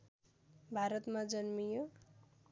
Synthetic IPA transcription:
bʱaɾʌt̪mad͡zʌnmijo

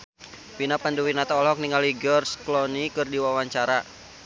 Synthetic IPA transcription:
pinapanduwinat̪aɔlɔk̚niŋaliɡərsklɔnikɨrdiwawaɲt͡ʃaɾa

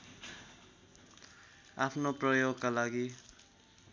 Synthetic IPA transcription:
apʰnoprʌjoɡkalaɡi

